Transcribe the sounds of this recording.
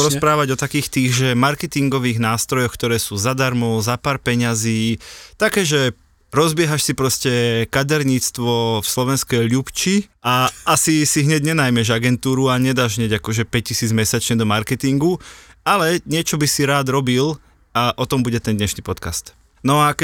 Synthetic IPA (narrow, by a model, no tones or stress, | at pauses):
ɾɔspɾaːʋaɟɔt̪akiːxt̪iːɣʒɛmaɾkɛt̪iŋɡɔʋiːɣnaːst̪ɾɔjɔxkt̪ɔɾɛːsuːzad̪aɾmɔʊzapaːɾpɛɲaziːt̪akɛːʒɛ | ɾɔzbɪɛɦaʃsipɾɔscɛkad̪ɛɾɲiːt͡st̪ʋɔfslɔʋɛnskɛjʎupt͡ʃiʔaasisiɦɲɛɟɲɛnajmɛʒaɡɛnt̪uːɾuaɲɛd̪aːʒɦɲɛɟakɔʒɛpɛc̚cisiːd͡zmɛsat͡ʃɲɛd̪ɔmaɾkɛt̪iŋɡualɛɲɪɛt͡ʃɔbisiɾaːd̪ɾɔbil | aʔɔt̪ɔmbuɟɛt̪ɛnd̪ɲɛʃniːpɔt̪kast̪ | nɔakɛ